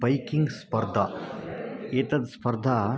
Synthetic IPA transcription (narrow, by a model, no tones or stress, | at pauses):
bɐjkiŋɡspɐɾd̪ʱa | eːt̪ɐt̪spɐɾd̪ʱa